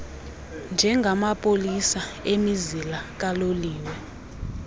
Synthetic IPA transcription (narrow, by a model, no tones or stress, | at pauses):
nd͡ʒʱɛŋɡʱamapʼolisaemizilak̬ʼaloliːwɛ